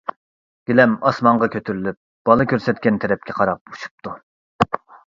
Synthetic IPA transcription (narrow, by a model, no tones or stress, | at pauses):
ɡ̥ʲilɛmɑsmɑɴʁɑkʲʰøt̪ʰyɾylyp̚b̥ɑlˠɨkʲøɾsɛt̪̚kʲɛnt̪ʰɛɾɛp̚kʲʰɛqʰɑɾɑp̚uʃu̥p̚t̪ʰu